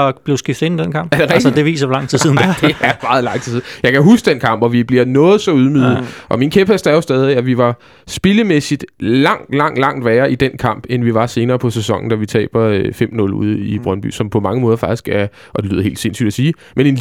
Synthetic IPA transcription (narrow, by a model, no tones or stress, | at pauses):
b̥le̝ʊsɡ̥ifd̥̩ˠe̝nid̥enkʰɑ̈mb̥æɐd̥e̝ʁɛɡ̥d̥d̥eʋḭːsɐlɑ̈ŋ̰t͡sʰið̰ˠsið̰ˠnd̥eæɐm̥ɑ̈ːð̞̩ˠlɑ̈ŋ̰dt͡sʰi̥sið̩ˠjɑ̈ɪkʰæɦusɡ̥d̥enkʰɑ̈m̰b̥ɒʋib̥liɐnɔ̽ːð̞̩ˠsɒ̽uðˠmyːð̩ˠʔɒ̽minkʰeb̥æsd̥æɐjosd̥eð̞ˠæʋiʋɑ̈ | sb̥eləmesid̥lɑ̈ŋ̰d̥lɑ̈ŋ̰d̥lɑ̈ŋ̰d̥ʋæːɐid̥enkʰɑ̈m̰b̥enʋiʋɑ̈se̝ːnɐːpʰɒ̽sesɒ̽ŋ̰n̩d̥æʋit͡sʰɛ̰ːb̥ɐøfem̰nɔ̽lṵð̞̰ˠib̥ʁɶnb̥y̰sɒ̽mpʰɒ̽mɑ̈ŋəmɔːð̞ˠɐfɑ̈ɡ̥d̥i̥sɡ̥æɐ | ʔɒ̽d̥e̝ly̰ð̰ˠɐe̝̰ːld̥se̝nsy̰ːd̥æsiː | mene̝n